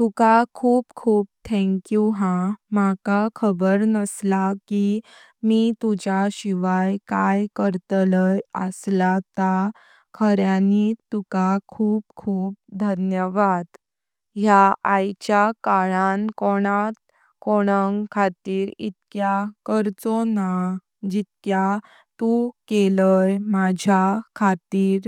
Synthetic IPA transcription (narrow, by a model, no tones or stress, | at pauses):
t̪ukakʰuːpkʰuːp̚t̪ʰɛ̃ŋkjuɦãmakakʰəbəɾnəslaki | mit̪ud͡ʑaɕiʋajkajkəɾt̪ləjə̰slat̪a | kʰəɾjanit̪ukakʰuːp̚kʰuːp̚d̪ʱənjəʋad̪ | ɦjaajt͡ɕjakaɭankoɽ̃at̪̚ | koɽ̃əŋkʰat̪iːɾḭt̪kjakəɾt͡sona | d͡ʑit̪kja | t̪ukeləjmad͡ʑʱjakʰat̪iːɾ